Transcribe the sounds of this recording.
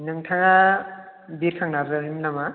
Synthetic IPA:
nɯŋtʰaŋa | biɾkʰaŋnazaɾimnama

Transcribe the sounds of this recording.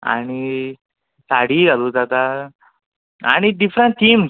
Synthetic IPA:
a̰ɽ̃i | saɽ̤iːd͡zaluːd͡zat̪a | a̰ɽ̃iɖifɾəɳʈʰːiːms

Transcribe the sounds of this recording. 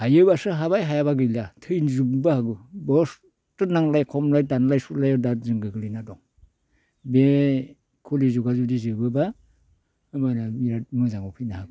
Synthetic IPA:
hajɯbasɯɦabajɦajaβaɡɯjlatʰɯjnzubbahaɡɯbɔs | tɯnaŋlajkʰɔmlajdanlajsulajadat̚zɯŋɡɯɡɯlɯjnadɔŋ | be | kʰulizuɡazudizɯbɯba | majnamiɾat̚mɯzaŋɔpʰɯjnahaɡ

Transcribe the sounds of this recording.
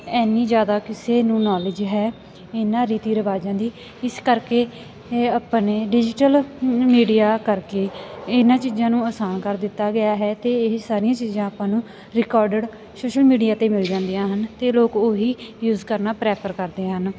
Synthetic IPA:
ɛːnːiːd͡ʒjaːd̪aːkɪseːnũːnɔːlɪd͡ʒɦɛː | ɪnãːɾiːt̪iːɾəʋaːd͡ʒãːd̪iː | ɪskəɾkeː | əpneːɖɪd͡ʒɪʈəlmiːɖijaːkəɾkeːɪnãːt͡ʃiːd͡ʒãːnũːəsaːnkəɾd̪ɪt̪ːaːɡɪjaːɦɛːt̪eːɪsaːɾɪijãːt͡ʃiːzãːəpãːnũː | ɾɪkɔːɾɖəɽ | soːʃəlmiːɖijaːt̪eːmɪld͡ʒãːnd̪ijãːɦənt̪eːloːkoːɦiːjuːzkəɾnaːpɾɛːpəɾkəɾd̪eːɦən

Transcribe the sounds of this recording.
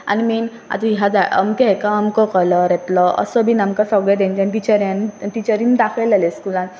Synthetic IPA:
a̰nimiːn | a̰t̪uiɦad͡zaə̰mkɛkãːmkɔkələɾɛt̪lɔə̰sɔbʱinamkasɔɡɭed̪ɛ̃nd͡ʑãnʈit͡ɕəɾjãnʈit͡ɕəɾind̪akʰelaleskulãn

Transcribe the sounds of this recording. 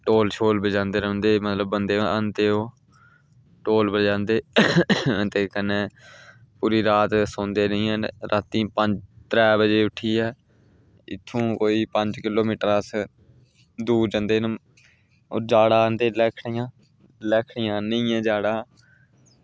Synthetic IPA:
ʈoːlʃʰoːlbəd͡ʒãːnd̪eːɾə̃nd̪eːmət̪ləbːənd̪eːənt̪eːoː | ʈoːlbəd͡ʒãːnd̪eː | t̪eːkənẽː | puːɾiːɾaːt̪sõːnd̪eːnĩːɛ̃ːɾʔaːt̪ĩːpəɲd͡ʒt̪ɾɛːbəd͡ʒeːʊʈʰiːɦɛː | ɪt̪ʰːũːkoːiːpəɲd͡ʒkɪloːmiːʈəɾaːs | d̪uːɾd͡ʒə̃ːnd̪eːn | o̰ːd͡ʒaːɽaːənd̪eːlɛːkʰɽijãː | lɛːkʰɽɪjãːnəĩːɛ̃ːd͡ʒaːɽaː

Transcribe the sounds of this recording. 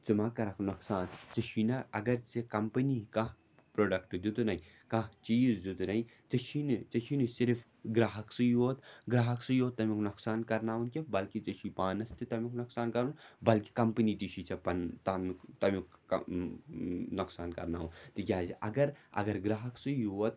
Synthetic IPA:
t͡sɨmaːkɐɾaknɐksaːnt͡ʃɐʃʰinɐɐɡɐɾt͡ʃikɐmpənikã | pɾoːɖɐkʈd̪ut̪unɐi | kãt͡ʃiːzd̪ut̪unɐĩt͡s̪ɨt͡ʃʰinɨt͡ʃɐt͡ʃʰinɨsiɾfʰ | ɡɾaːɦɐksɨjoːt̪ɡɾaːɦɐksɨjoːt̪ːɐmiknɐksaːnkɐɾnaːʋunkʲebɐlkit͡ʃit͡ʃʰipaːnɐst̪ɨt̪ɐmiknɐksaːnkɐɾunbɐlki̥kɐmpənit̪it͡ʃʰit͡ʃʰɐpɐnt̪ɐmkt̪ɐmik | nɐksaːnkɐ̰ɾna̰ːʋunt̪ɨkʲaːd͡ʒiʔɐɡɐɾɐ̰ɡɐɾɡɾaːɦɐksɨjut̪̚

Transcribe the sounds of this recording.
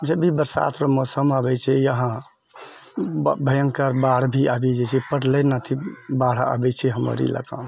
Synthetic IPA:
d͡ʒebʱibəɾsa̰t̪ɾəmɔsəmabɛt͡ʃʰɛjəɦã | bʱəjəŋkəɾbaɽ̤bʱiabʱid͡ʒɛt͡ʃʰɛpəɽlɛnat̪ʰibaɽ̤a̰bɛt͡ʃʰɛɦəmə̰ɾḭlə̰ka̰

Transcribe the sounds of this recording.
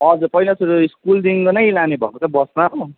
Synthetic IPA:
ʌd͡zʌpʌilasuɾoiskuldiŋkonʌjlanebʱʌ̰kot͡sʌ̃bʌsnao

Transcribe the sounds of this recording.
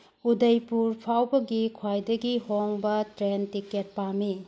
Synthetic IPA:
udɐjpuɾpʰawbɐɡikʰwajdɐɡihoŋbɐtɾentiket̚pami

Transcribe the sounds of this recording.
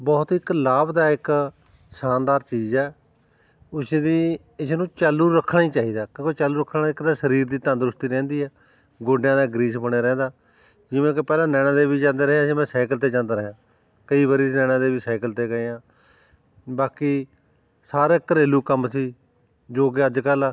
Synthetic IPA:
bɔːt̪ɪklaːbd̪aːɪk | saːnd̪aːɾt͡ʃiːzɛː | ʊsẽːd̪iː | ɪsnũːt͡ʃaːlːuːɾəkʰːnaːiːt͡ʃaːɦiːd̪aːkjõːkeːt͡ʃaːlːuːɾəkʰːnaːɪkd̪aːʃəɾiːɾd̪iːt̪ə̃nd̪ɾʊsʈ̪iːɾɛ̃ːnd̪iːɛː | ɡoːɖjãːd̪aːɡɾiːsbəɽ̃eːɾɛ̃ːnd̪aː | d͡ʒɪʋẽːkːpɛːlãːnɛːnãːd̪eːbiːd͡ʒãːnd̪eːɾəɦeaːsĩːmɛ̃ːsaːɪkəlt̪eːd͡ʒãːnd̪aːɾəɦjãː | kəiːbaːɾiːnɛ̃ːɽãːd̪eːbiːsaːɪkəlt̪eːɡəeːãː | baːkiː | saːɾeːkəɾeːluːkəmsiː | d͡ʒoːk̬eəd͡ʒkəl

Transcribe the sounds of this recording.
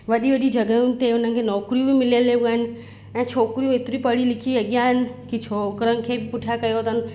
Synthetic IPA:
ʋɐɗiʋɐɗid͡ʑɐɠəʊ̃nt̪eʊn̤ənɪ̆kʰeːnɔːkɾijũbɪmɪljəleuaːɦɪnɪ̆ | ɛ̃ːt͡ʃʰoːkɾijũɪt̪ɪɾipɐɽilɪkʰiɐɠjaɦɪnɪ̆kit͡ɕʰokɾənɪ̆kʰeːbɪpʊʈʰijakɐjot̪ən

